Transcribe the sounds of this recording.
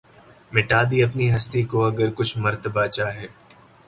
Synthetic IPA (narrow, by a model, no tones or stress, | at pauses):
mɪʈaːd̪iɐpniɦɐst̪ikoɐɡəɾkʊt͡ʃʰmɐɾt̪əbat͡ʃaːɦɛː